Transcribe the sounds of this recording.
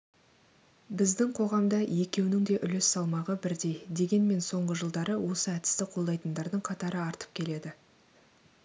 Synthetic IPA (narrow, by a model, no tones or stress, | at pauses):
bɪzd̪ɪŋqʰo̞ʁɑmd̪ɑje̞kʲe̞wnɪŋd̪e̞ʔʏlɪsːɑlˠmɑʁəbɪɾd̪e̞jd̪e̞ɡʲe̞nme̞nso̞ɴʁəʒəlˠd̪ɑɾəwo̞səæt̪ɪ̥st̪ɪqʰolˠd̪ɑjt̪ənd̪ɑɾd̪əɴqʰɑt̪ɑɾəɑɾt̪ə̥p̚kʲʰe̞le̞d̪ɪ